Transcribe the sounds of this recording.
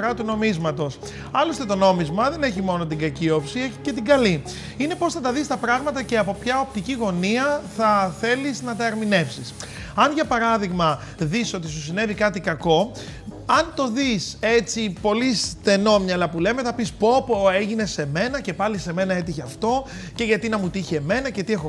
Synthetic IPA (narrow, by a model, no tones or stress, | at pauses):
ɾɐt̪uno̞mizmɐt̪o̞s | ɐlo̞st̪et̪o̞no̞mizmɐðe̞neçimo̞no̞t̪iɡɐcio̞psieçi̥cet̪iɡɐli | ine̞po̞sθɐt̪ɐðist̪ɐpɾɐɣmɐt̪ɐce̞ɐpo̞pçɐo̞p̚t̪iciɣo̞niɐθɐθe̞liznɐt̪ɐːɾmine̞fsis | ɐnʝɐpɐɾɐðiɣmɐ | ðiso̞t̪is̬usine̞vikɐt̪ikɐko̞ | ɐnt̪o̞ðise̞t͡sipo̞lisθe̞no̞mɲɐlɐpule̞meθɐpispo̞poe̞ʝine̞se̞me̞nɐce̞pɐlise̞me̞nɐe̞t̪̬içeɐft̪o̞ | ce̞ʝɐt̪inɐmut̪içieme̞nɐce̞t̪iexo